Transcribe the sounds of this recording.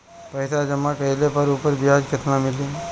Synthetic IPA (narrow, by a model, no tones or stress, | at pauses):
pɐɪsad͡ʒɐmakɐɪlepɐɾuːpəɾbɪjaːd͡ʒkɪt̪ʰnamɪlĩː